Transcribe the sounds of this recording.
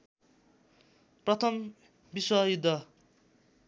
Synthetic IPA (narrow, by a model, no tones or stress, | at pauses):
prʌt̪ʰʌm | biswʌjud̪ʱːʌ